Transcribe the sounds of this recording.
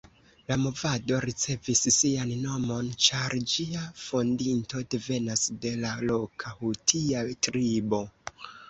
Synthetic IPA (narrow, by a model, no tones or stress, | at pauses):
lamo̞vado̞ɾit͡se̞visːianno̞mo̞nt͡ʃaɾd͡ʒiafo̞ndinto̞de̞ve̞nasde̞lalo̞kʰahutʰiatɾibo̞